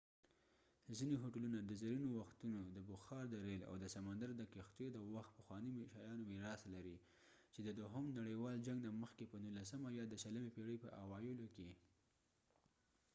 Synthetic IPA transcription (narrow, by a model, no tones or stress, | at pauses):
zineɦoʈalunad̪əzaɾinowaxt̪unod̪əbʊxɑɾd̪əɾela̰wd̪əsamand̪aɾd̪əkixt̪jod̪əwaxt̪̚pəxwɑnimeʃɑjɑnomiɾɑslaɾi | t͡ʃed̪əd̪ʊɦʊmnaɽəjwɑld͡ʒaŋɡnaməxkepənunlasəmajɑd̪əʃələmepeɽəjpəʔawɑjɪloke